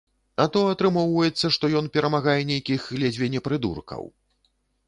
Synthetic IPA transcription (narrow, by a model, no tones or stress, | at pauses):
at̪ɔɐt̪ɾɨmɔwvɐjɛt̪sːɐʂt̪ɔjɔnpʲɛɾɐmaɣajɛnʲejkʲiɣɣlʲɛd͡zʲvʲɛnʲɛpɾɨd̪ṵrkɐ̰w